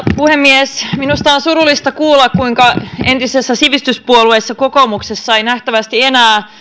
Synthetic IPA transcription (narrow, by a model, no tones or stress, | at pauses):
puhemːiesminust̪ɑonsuɾulːˑist̪ɑkuːlːɑkkuiŋkɑe̞nt̪isesːæsiʋist̪yspuoluesːɑkokomuksesːɑeinæht̪æʋæst̪ienæː